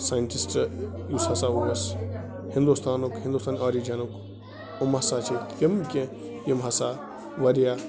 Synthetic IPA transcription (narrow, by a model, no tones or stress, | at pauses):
saːjnʈisʈjushɐsauɐs | hĩnd̪ust̪ʰaːnukɦĩnd̪uːst̪aːnaːɾid͡ʒɐnuk | omɐsat͡ʃit̪kɐmkʲẽ | jɐmɦɐsa | ʋɐɾja